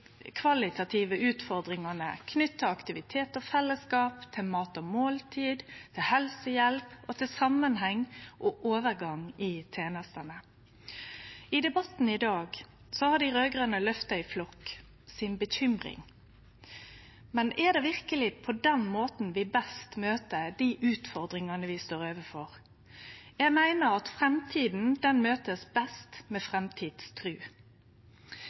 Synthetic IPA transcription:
kʰʋɑlɪt̪ʰɑt̪ʰiʋəʉːt̪fɔɾd̪ɾɪŋɑnəkʰnʏt̪ːəɑkt̪ɪʋɪt̪ʰeːt̪ɔfɛlːəskɑːpt̪ʰɪlmɑːt̪ɔmoːlt̪ʰiːd̪t̪ʰɪlhɛlsəjɛlpɔt̪ʰɪlsɑmənɦɛŋːʔɔʔoːʋəɾɡɑŋɪt̪ʰeːnəst̪ənə | ɪd̪ɛbɑt̪n̩ɪd̪ɑːɡ | sɔhɑɖ̪ɪɾøːɡʁənəlœft̪ɑɪflɔkː | sɪnbəçʏmʁɪ̰ŋ | mɛnʔɛd̪ɛːʋɪʁkəlɪpʰɔd̪ɛnmoːt̪n̩ʋɪbɛst̪møːt̪əd̪iːʔʉːt̪fɔʁd̪ɾɪŋɑnəʋɪst̪oːɾøːʋəfɔʁ | jæɪɡmæɪnəɾɑt̪fɾɛmt̪ʰiːd̪n̩d̪ɛnmøːt̪əsbɛst̪mɛːfʁɛmt̪ʰiːd̪̥st̪ʰɾʉː

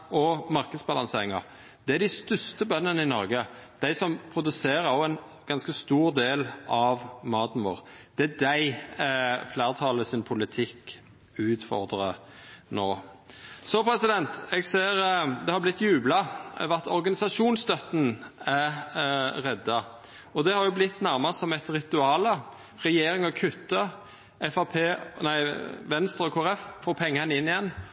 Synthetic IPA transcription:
ɔmɑɾkəd̪sbɑlɑŋseːɾɪŋɑ | d̪̥ɛæd̪æɪst̪ʏst̪əbœnːənəɪnɔɾɡəd̪̥æɪsɔmpʰʁʊd̪ʉseːɾəɔɛn | ɡ̥ɑnskəst̪uːʁd̪eːlʔɑʋmɑːd̪n̩ʋo̰ːʁd̪̥ɛæd̪æɪ | flæːʁt̪ʰɑːləsɪnpʰʊlɪt̪ʰɪkː | ʉːt̪fɔ̰ɾd̪ʁə | noː | sɔpʰɾɛsɪd̪ɛnt̪ɛɡseːɾd̪ɛhɑblɪt̪ːjʉːblɑʋæt̪ɔɾɡɑnɪsɑʂuːnst̪œt̪ːənæ | ʁɛd̪ːɑ | ɔd̪ɛhɑɾjʊblɪt̪ːnæɾmɑsɔmɛt̪ɾɪt̪ʉɑːlə | ʁɛjeːɾɪŋɔkʰʉt̪ːə | ʔɛfɑpʰeːnæɪʋɛnst̪ɾɔkʰoːɾɛffɔːpʰɛŋːənəɪnːɪjɛnː

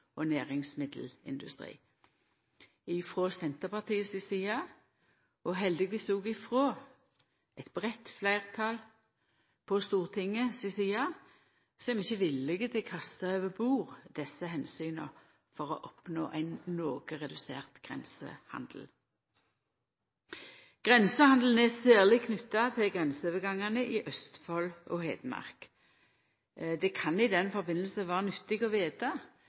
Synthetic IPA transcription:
ɔnæːʁɪŋsmɪd̪l̩ɪ̰nd̪ʉst̪ʁḭː | ɪfʁoːsɛnt̪əʁpɑʁt̪ʰiːəsɪsiːɑ | ɔɦɛld̪ɪɡɪsuːɡɪfʁoː | ɛt̪b̥ʁɛt̪flæɪʁt̪ʰɑl | pʰɔst̪uːʁt̪ʰɪŋːəsɪsiːɑ | sɔɛmɪçːəʋɪlːɪɡət̪ʰɪkʰɑst̪ɑøːʋəbuːʁd̪̥ɛsəɦɛnsyːnə̰ | fɔʁɔ̰ʔɔpno̰ːʔæɪnnoːɡəʁɛd̪ʉsḛːʁt̪ɡ̥ʁɛ̰nsə̰hɑ̰nd̪̥l̩ | ɡ̥ʁɛnsəhɑnd̪l̩n̩ɛsæːʁlɪkʰnʏt̪ːɑt̪ʰɛɡʁɛnsoːʋəɡɑŋɑnəʔɪʔœst̪fɔlɔhḛːd̪mɑ̰ʁk | d̪ɛkʰɑnɪd̪ɛnfɔʁbɪnəl̩səʋæːʁənʏt̪ːɪɡɔʋeːt̪ɑ

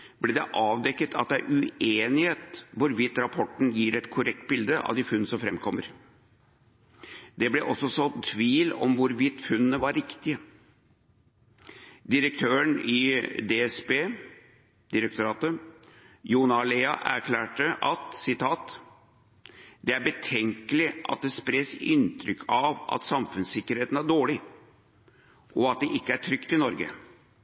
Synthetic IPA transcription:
b̥lɛd̪ɛʔɑːʋd̪ɛkːət̪ʰɑ̰t̪̚d̪ɛæɪʔʉeːnɪheːt̪ʋʊɾʋɪt̪ːɾɑpʰɔʈːn̩jiːɾɛt̪kʰʊɾɛk̚t̪̚bɪld̪əʔɑ̰ʋd̪ɪfʉnːnəsɔmfɾɛmkʰɔmːə̰ɾ | d̪̥ɛblɛʔɔsːɔsɔt̪ʰʋiːlɔ̰mʋʊɾʋɪt̪ːfʉnənəʋɑɾɾɪkt̪ɪə | d̪ɪɾək̚t̪ʰøːəɳɪd̪eɛsbeː | d̪ɪɾək̚t̪ʊɾɑːt̪ə | juːnɑleːɑʔæ̰ɾkʰlæːʈəʔɑt̪sɪt̪ʰɑːt̪ | d̪̥ɛæɾbət̪ʰɛŋkəlɪʔɑ̰t̪̚d̪ɛspɾeːsɪnt̪ʰɾʏkʰːɑʋɑ̰t̪sɑmfʉnssɪkːəɾheːt̪n̩æɖoːɭɪ | ʔɔɑt̪̚d̪ɛʔɪkːəæʈʰɾʏkt̪ʰɪlnɔɾɡə̰

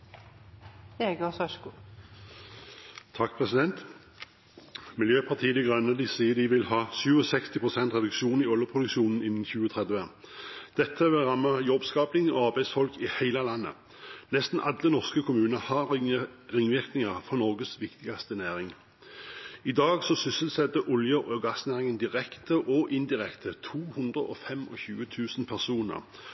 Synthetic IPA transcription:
eːɡɔsœʃku | t̪ʰɑkːpʰʁɛsɪd̪ɛnt̪ | mɪljøːpʰɑt̪ʰiːəd̪ɪɡʁœnːəd̪ɪsiːəd̪ɪʋɪlhɑːsʉːɔsɛkst̪ɪpʰʁʊsɛnt̪ʁɛd̪ʉkʃuːnɪɔljəpʰʁʊd̪ʉkʃuːnn̩ɪnːn̩çʉːət̪ʰʁɛd̪ʋə | d̪̥ɛt̪ʰːəʋɪlʁɑmːəjɔbskɑːplɪŋɔ̰ɑʁbæɪsfɔlkɪhæɪlɑlɑnːə̰ | nɛst̪n̩ʔɑd̪ːənɔʁskəkʰʊmʉːnəhɑ | ʁɪŋʋɪʁknɪŋɑʁfɔʁnɔʁɡəsʋɪkt̪ɪɡɑst̪ənæːʁɪŋ | ɪd̪ɑːɡsɔsʏsəlsɛt̪ːəʔɔljəʔɔɡɑsnæːʁɪŋənd̪ɪʁɛkt̪əʔɔʔɪnd̪ɪʁɛkt̪ʰət̪ʰuːhʊnd̪ʁəʔɔfɛmɔçʉːət̪ʰʉːsn̩pʰæʁsuːnə̰ʁ

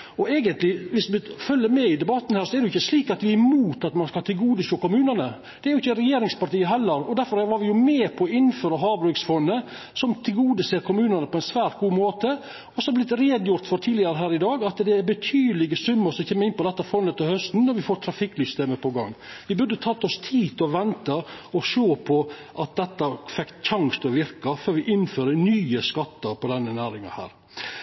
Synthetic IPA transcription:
ɔeːɡənt̪lɪʋɪsʋɪfœlːəɾmɛɪd̪ɛbɑt̪ːn̩hæːɾsɔɛɾd̪ɛʊɪçːəsliːkɑt̪ʋɪæmuːt̪ɑt̪mɑnskɑlt̪ʰɪlɡuːd̪əʃʂoːkʊmʉːnənə | d̪̥ɛæɾjʊɪçəɾɛjeːɾɪŋspɑɾʈiːəɦɛlːəɾɔd̪æɾfɔɾʋɑɾʋɪjʊmeːpʰɔɔɪnːføːɾəɦɑːbɾʉksfɔnːə | sɔmt̪ʰɪlɡuːd̪əseːɾkʰʊmʉːnənəpʰɔɛɪnsʋæːɾʈ̪̚ɡuːmoːt̪ə | ɔsɔɑblɪt̪ːɾeːd̪jʊɾt̪fɔɾt̪ʰiːlɪɑɾəɦæːɾɪd̪ɑːɡɑt̪d̪ɛæɾbət̪ʰyːd̪əlɪɡəsʉmːəɾsɔmçeːmːəɾɪnpɔd̪ɛt̪ːɑfɔnːət̪ːɪhœst̪n̩nɔɾʋɪfoːɾt̪ʰɾɑfɪkːlʏst̪eːməpʰɔɡɑŋːʋɪbʉd̪ət̪ʰɑt̪ːɔst̪ʰiːt̪ʰɔʋɛnt̪ɑɔʃoːpʰɔʔɑt̪̚d̪ɛt̪ːɑfɛkt̪çɑŋst̪ʰɔʋɪɾkɑføːɾʋɪʔɪnføːɾənyːəskɑt̪ːɑɾpʰɔd̪ɛnːənæːɾɪŋɑ̰hæ̰ːɾ

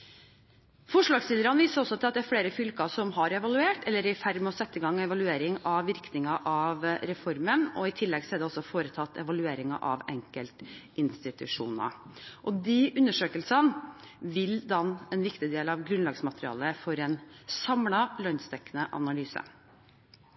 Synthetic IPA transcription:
fɔʂɭɑːɡslɪləɾɑnʋiːsəɾɔsːɔt̪ʰɪlɑt̪̚d̪ɛæɾfɽeːɾəfʏlkɑsɔmɦɑɾɛʋɑlʉeːʈɛlːəɾɪfæɾmɛɔsɛt̪ːəɡɑŋːɛʋɑlʉeːɾɪŋɑʋʋɪɾknɪŋɑʔɑʋɾɛfɔɾmənɔ̰ɪt̪ʰɪlːɛɡsɔæɖɛɔsːɔfoːɾət̪ʰɑt̪ːɛ̰ʋɑlʉeːɾɪŋɑ̰ʔɑʋɛŋkəlt̪ | ɪnst̪ɪt̪ʉʂṵːnɑ̰ | ʔɔd̪iʔʉnːəʂøːkəlsən | ʋɪld̪ɑnɛnʋɪkt̪ɪd̪eːlɑʋɡɾʉnlɑɡsmɑt̪ɾɪɑ̰ːləfɔɾɛnsɑmlɑlønst̪ɛkːənəʔɑ̰nɑlyːsə̰

